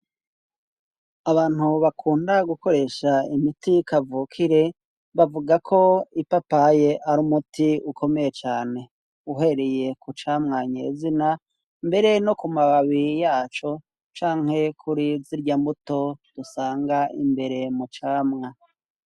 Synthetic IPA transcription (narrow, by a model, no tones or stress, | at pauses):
aβaːn̥huβakʰuːndaɡuko̞ɾe̞ːʃaimitikavuːkʰiɾe̞ | βavuɡakʰo̞ipapaje̞ʔaɾuːmutʰiukʰo̞me̞je̞t͡ʃaːne̞ | uɦe̞ɾe̞je̞kut͡ʃaːmŋaɲe̞̰ːzina | mbe̞ɾe̞no̞kumaβaβijaːt͡ʃo̞ | t͡ʃaːŋhe̞kʰuɾiziɾɟambuto̞d̥usaːŋɡaʔḭmbe̞ɾe̞mut͡ʃaːmŋa